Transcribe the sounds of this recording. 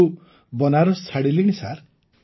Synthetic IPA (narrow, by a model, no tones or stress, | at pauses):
u | bɔnaɾɔst͡sʰaɽiliɽ̃isa̰ɾ